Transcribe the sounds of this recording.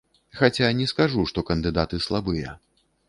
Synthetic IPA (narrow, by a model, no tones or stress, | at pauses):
xat͡sʲanʲɛskaʐuʂt̪ɔkɐnd̪ɨd̪at̪ɨslˠabɨjɐ̰